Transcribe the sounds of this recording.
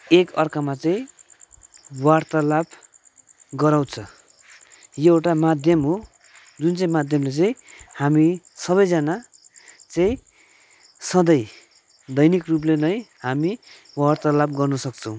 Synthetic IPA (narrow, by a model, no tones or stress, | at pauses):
ekʌrkamat͡saĩ | wart̪alab | ɡʌɾaw̃t͡sʰʌ | jeewʈamad̪ʱjʌmɦo | d͡zunt͡saĩmad̪ʱjʌmlet͡sʌĩhamisʌβʌjd͡zana | t͡saĩ | sʌ̃d̪ʌj | d̪ʌjnikrup̬lenʌjhami | bwart̪alabɡʌrnʌsʌk̚t͡sʰʌ̃w̃